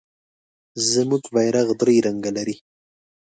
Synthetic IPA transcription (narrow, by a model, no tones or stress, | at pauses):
zəmuɡvajɾaɣd̪ɾejɾaŋɡalaɾi